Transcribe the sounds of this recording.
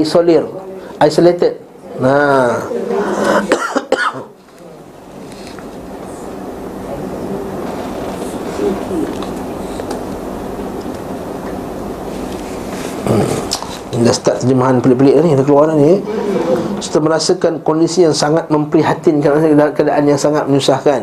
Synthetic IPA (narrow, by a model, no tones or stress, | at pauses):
solɪrajsolet̪əd̚ | na | dasə̥t̪aʔ̚t̪əd͡ʒəmaɦanpəlɪʔpəlɪʔanidakəluaɾani | su̥t̪əmə̃ɾasəkankondisijaŋsaŋat̪̚mə̃mpəɾiɦat̪inkanaskakadaʔanjaŋsaŋat̪̚məɲusahkan